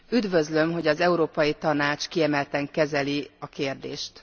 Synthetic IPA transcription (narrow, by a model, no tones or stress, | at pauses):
yd̪vø̞zlø̞mɦo̞ɟɒzɛuɾoːpɒjit̪ɒnaːt͡ʃkiɛmɛlt̪ɛŋkɛzɛliɒkeːrd̪ḛːʃt̪